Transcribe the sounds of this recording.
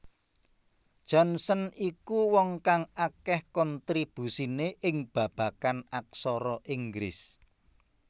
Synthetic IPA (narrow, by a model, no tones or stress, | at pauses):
d̥ʒ̥ɔnsənikuwɔŋkaŋakɛhkɔnt̪ɾib̥ṳsineʔɪŋb̥ä̤b̥ä̤kanak̚sɔɾɔʔiŋɡɾɪ̰s